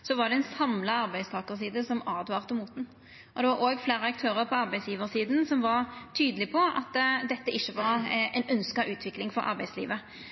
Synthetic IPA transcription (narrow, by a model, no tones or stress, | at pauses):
sɔʋɑʁd̪ɛɛnsɑmlɑɑɾbæɪst̪ʰɑːkəʁsiːd̪əsɔmɑːd̪ʋɑːʁt̪əmuːt̪n̩ | ʔɔd̪ɛʋɑɾʔoːɡfleːɾəɑk̚t̪ʰøːʁəɾpʰɔɑɾbæɪsjiːʋəʁsiːd̪n̩sɔmʋɑʁt̪ʰyːd̪əlɪpʰɔɑ̰t̪ːd̪ɛt̪ːəɪçːəʋɑɾɛnœnskɑʔʉːt̪ʰʋɪklɪŋfɔɾʔɑ̰ɾbæɪslḭːʋə